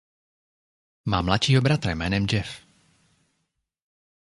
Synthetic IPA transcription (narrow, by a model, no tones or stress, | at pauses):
maːmlat̪t͡ʃiːɦobɾat̪ɾamɛ̰ːnɛmd͡ʒɛf